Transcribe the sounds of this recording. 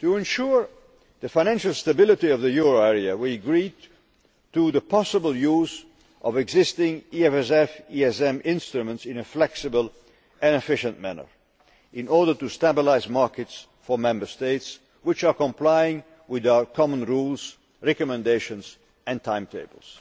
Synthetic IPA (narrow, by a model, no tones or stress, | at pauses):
tuɨ̃nʃʊɹ | ðɨfãɪñæ̃nʃl̩ˠstəbɪlˠɨtiʌvðɨjuɹoɛɹiɨwiɨɡɹi | tuðəpʰɑsəbəl̩ˠjuz | ʔʌvɨɡzɪstɪ̃ŋiɛfɛs̬ɛfiɛsɛ̃mɪ̃nstɹumə̃ntsɪ̃nɨflɛksɨbəlˠ | ʔɨ̃nɨfɪʃɨ̃nʔmæ̰nə̰˞ | ɪ̃nɔɹdə˞tustæbəlaɪzmɑɹkɨts | fə˞mɛ̃mbə˞steɪts | wɪt͡ʃə˞kə̃mpʰlaɪɪ̃ŋ | wɪðaʊə˞kʰɑmə̃nɹulˠz̥ | ɹɛkɨmɨ̃ndeɪʃɨ̃nz̥ | ɨ̃ntʰãɪ̃mtʰeɪbəl̩ˠz̥